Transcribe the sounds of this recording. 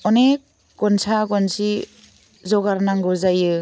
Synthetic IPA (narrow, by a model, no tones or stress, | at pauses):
ɔnek | ɡɔnsʰaɡɔnsi | zɔɡaɾnaŋɡɯzajɯ